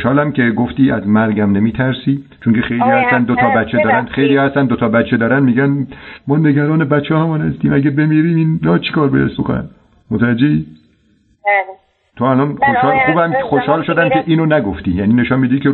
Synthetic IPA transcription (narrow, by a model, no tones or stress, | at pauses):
ʃhɒːlæmke̞ɡoft̪iːæzmæɾɡæmnemiːt̪ʰæɾsiː | t͡ʃʰoŋkexe̞jlijɒːhæst̪ænd̪ot̪ʰɒːbæt̪t͡ʃʰːed̪ɒːɾænd̪xejlijɒːhæst̪ænd̪ot̪ʰɒːbæt̪t͡ʃʰːed̪ɒːɾænd̪miːɡænmɒːne̞ɡæɾɒːnebæt̪t͡ʃʰːɒːhæmɒːnhæst̪iːmæɡæbe̞miːɾiːmiːnːɒt͡ʃʰe̥kʰɒːɾbɒ̰jæ̰sbo̰konæ̰n | mot̪ʰævæd͡ʒːei | t̪ʰoælɒnxoʃhɒːlxuːbæmexoʃhɒːlʃod̪ænkʲe̞ʔiːnonæɡoft̪iːjæniːneʃɔnmiːd̪iːkʰe